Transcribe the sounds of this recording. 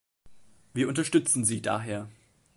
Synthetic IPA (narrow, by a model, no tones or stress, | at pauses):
viːɐʊntɐʃtʏt͡sn̩ziːda̰ːɦeːɐ